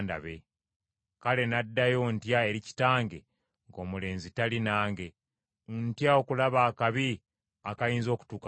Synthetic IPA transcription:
nda̰βe̞ | kale̞nadːajo̞ntjae̞ɾici̥taːŋɡe̞ | ŋɡo̞ːmule̞ːnzitalinaːŋɡe̞ | ntjao̞kulaβaːkaβi | akajiːnzo̞ːku̥tuka

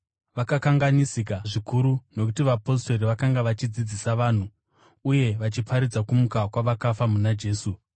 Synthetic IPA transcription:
ʋakakaŋɡanisikaʐikuɾuno̞k̬utiʋapo̞s̬to̞ɾiʋakaŋɡaʋat͡ʃid͡zid͡zisaʋaːn̤u | uje̞ʋat͡ʃipʰaɾid͡zakumukakwaʋakafamunad͡ʒe̞ːsu

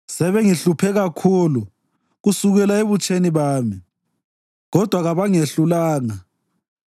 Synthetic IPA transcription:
sɛβeŋiɬupʰɛɣakʰuːlu | ɣusuɣɛlaeβut͡ʃʼeniβaːmi | ɣɔd̥ʱwaɣaβaŋeɬulaːŋa

